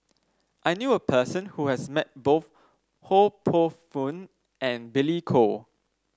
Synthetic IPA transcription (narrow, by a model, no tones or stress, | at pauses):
ʔajnjuəpʰəsə̃nhuhɛsmɛt̚boθ | hopʰofũn | ɛ̃nbilikʰo